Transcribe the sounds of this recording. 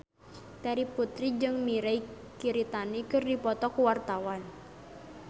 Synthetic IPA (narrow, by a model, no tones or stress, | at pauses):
t̪ɛɾiput̪ɾid͡ʒɨŋmiɾej | kiɾit̪anikɨrdipɔt̪ɔkuwart̪awan